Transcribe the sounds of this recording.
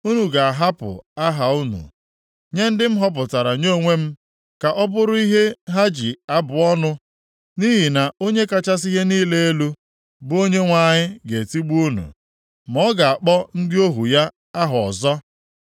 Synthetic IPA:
u˦nu˨ɡa˨a˨ɦa˦pʊ̰˨a˦ɦa˨u˦nṵ˨ | ɲe˦n̩˦dɪ˦m̩˦ɦɔ˦p̬ʊ˨ta˨ɾa˨ɲo˦ŋʷe˦m̩˦ | ka˨ʔɔ˦bʊ˦ɾʊ˦i˦ɦe˦ɦa˦d͡ʒi˨a˦bʊ˨ɔ˦nʊ˦ | ni˦ɦi˨na˨o˦ɲe˦ka˦t͡ʃa˦s̬i˦ɦe˦niː˦le˦e˦lu˦ | bʊ˦o˦ɲe˦ŋʷa˦˨ɲɪ˦ɡe˨ti˦ɡ͡bu˦u˦nṵ˨ | mɔ˦ɡa˨a˨k͡pɔ˦n̩˦dɪ˦o˦ɦu˨ja˦ | a˦ɦɔ˨ɔ˨zɔ˦

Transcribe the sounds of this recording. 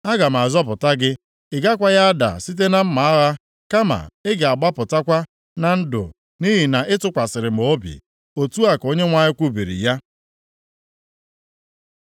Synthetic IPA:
a˦ɡa˨m̩˨a˨zɔ˦p̬ʊ˨ta˦ɡɪ˦ | ɪ˨ɡa˦k̬ʷa˦ja˦a˦da̰˨si˦t̬e˦na˦m̩˦ma˨a˦ɣa˦ | ka˦ma̰˨ɪ˦ɡɪ˨a˨ɡ͡ba˦pʊ˨ta˦kʷa˦ | na˨n̩˦dʊ̰˨ | ni˦ɦi˨na˨ʔɪ˦tʊ˦kʷa˨sɪ˨ɾɪ˨m̩˨o˦bḭ˨ | o˨tu˦a˦ko˦ɲe˦ŋʷa˦ɲɪ˦kʷu˦bi˨ɾḭ˨ja˦

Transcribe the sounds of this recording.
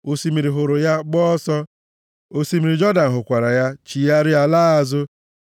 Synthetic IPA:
o˦si˦mi˨ɾi˨ɦʊ˨ɾʊ˨ja˦ɡ͡bɔ˦sɔ˦ | o˦si˦mi˨ɾi˨d͡ʒɔ˦da˨n̩˨ɦʊ˨kʷa˨ɾa˨ja˦t͡ʃi˨ja˦ɾɪ˦a˦laː˦a˦zʊ˦

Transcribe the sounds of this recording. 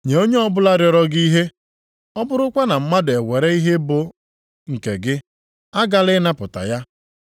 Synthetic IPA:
ɲe˨o˦ɲe˦ɔ˦bʊ˦la˦ɾjɔ˨ɾɔ˦ɡi˦ɦe˦ | ɔ˦bʊ˦ɾʊ˦kʷa˦na˨m̩˦ma˦dʊ˨e˨we˨ɾe˦i˦ɦe˦bʊ˨ | ŋ̩˨kḛ˨ɡɪ˦ | a˦ɡa˦lɪ˦na˦pʊ˨ta̰˨ja˦

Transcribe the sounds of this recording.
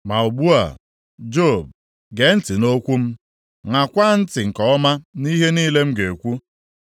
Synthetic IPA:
ma˨u˨bu˦a̰˨ | d͡ʒo˦˨b̚ | ɡe˨n̩˦tɪ˨no˦kʷu˦m̩˦ | ŋa˨kʷa˦n̩˦tɪ˨ŋ̩˨kɔ˨ɔ˦ma˦ni˦ɦe˦ni˦le˦m̩˦ɡe˨kʷu˦

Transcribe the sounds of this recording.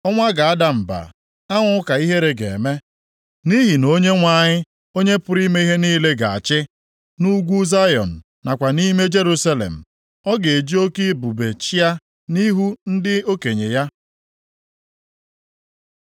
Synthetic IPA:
ɔ˦ŋʷa˦ɡa˨a˦da˨m̩˨ba̰˨ | a˦ŋʷʊ˦ʊ˦ka˨i˦ɦe˦ɾe˨ɡḛ˨e˨me˦ | ni˦ɦi˨no˦ɲe˦ŋʷa˦˨ɲɪ˦ | o˦ɲe˦pʊ˦ɾi˦me˦i˦ɦe˦niː˦le˦ɡa̰˨a̰˨t͡ʃɪ˦ | nu˦ɡʷu˦za˦jɔ̰˨n̩˨ | na˨kʷa˨ni˦me˦d͡ʒe˦ɾu˦sa˦lḛ˨m̩˨ | ɔ˦ɡe˨e˨d͡ʒi˦o˦ki˦bu˨be˨t͡ʃi˦a˦ | ni˦ɦu˦n̩˦dɪ˦o˦ke˨ɲe˨ja˦

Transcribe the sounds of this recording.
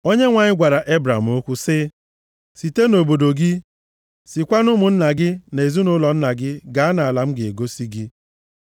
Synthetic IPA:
o˦ɲe˦ŋʷa˨ɲɪ˦ɡʷa˨ɾa˨ʔe˦bɾa˨m̩˨o˦kʷu˦sɪ˦ | si˨te˦no˨bo˨do˨ɡi˦ | si˨kʷa˦nʊ˦mʊ˨n̩˦na˨ɡɪ˦ne˨zu˦nʊ˦lɔ˨n̩˦na˨ɡɪ˦ɡa˨a˦na˨a˨la˨m̩˦ɡɪ˨e˨ɡo˦si˦ɡɪ˦

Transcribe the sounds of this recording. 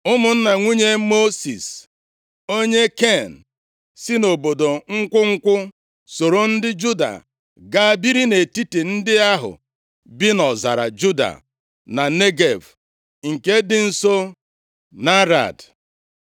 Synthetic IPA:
ʊ˦mʊ˨n̩˦na˨ŋʷi˦ɲe˦mo˦sḭ˨s | o˦ɲe˦ke˦˨n̩˨ | sɪ˦no˨bo˨do˨ŋ̩˦kʷʊ˦ŋ̩˦kʷʊ˦ | so˨ɾo˨n̩˦dɪ˦d͡ʒu˦da̰˨ | ɡa˦a˦bi˦ɾi˦ne˨ti˦ti˨n̩˦dɪ˦a˦ɦʊ̰˨ | bi˦nɔ˨za̰˨ɾa̰˨d͡ʒu˦da̰˨ | na˨ne˦ɡe˨v | ŋ̩˨ke˦dɪ˨n̩˦so˦ | na˦ɾa̰˨d

